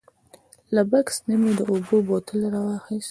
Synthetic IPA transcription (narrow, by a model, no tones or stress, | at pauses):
labaksnimed̪əobobot̪ʰəlɾɑwɑxis